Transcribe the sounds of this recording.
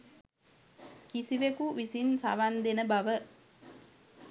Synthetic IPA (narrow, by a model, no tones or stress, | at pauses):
kisiʋekuʋisinsa̰ʋand̪enəbaʋə